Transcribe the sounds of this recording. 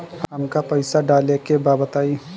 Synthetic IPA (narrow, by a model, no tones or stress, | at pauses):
ɦɦəmkapəɪsaɖaːlekebaːbət̪aːi